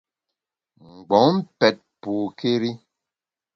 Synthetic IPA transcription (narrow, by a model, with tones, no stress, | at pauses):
ŋ͡m̩˨ɡ͡bɔ˨˦ŋm̩˦pɛ˨t̚puː˨ke˦ɾi˦